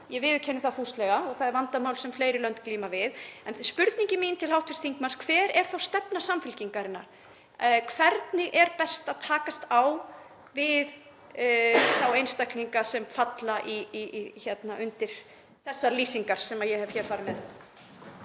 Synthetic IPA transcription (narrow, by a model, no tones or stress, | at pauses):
jɛvɪːðʏ̥cʰɛnːʏθaθust̪lɛɣaɔɣθaðɛɾvant̪amawlsɛmfleːjɾɪlœnt̪kliːmavɪðɛnspʏɾt̪niɲcɪmiːnt̪ʰɪlhawht̪ʰvɪst̪θiŋkmanskʰvɛːɾɛɾ̥θawst̪ɛpnasamfɪlciŋkaɾɪna̰ɾ̥ | kʰvɛɾt̪nɪʔɛɾpɛst̪aðt̪ʰaːkast̪aw | vɪð | θawejnst̪akniŋkasɛmfat̪laʔiçɛt̪naʔʏnt̪ɪɾ̥ | θɛsːaliːsiŋkaɾ̥sɛmajɛhɛvçɛːɾ̥faːɾɪnmɛð